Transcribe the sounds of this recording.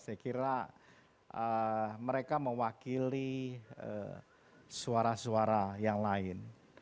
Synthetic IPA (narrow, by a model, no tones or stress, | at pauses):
sajkiɾa | əməɾekaməwakiliə̰ | suaɾasuaɾajaŋlaɪn